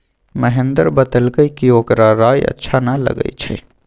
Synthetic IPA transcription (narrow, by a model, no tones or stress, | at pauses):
məɦẽnd̪əɾbəd̪əlɡəikioːkɾaɾaːjə̰tːʃʰanalɐ̰ɡə̰it͡ʃʰɛ̰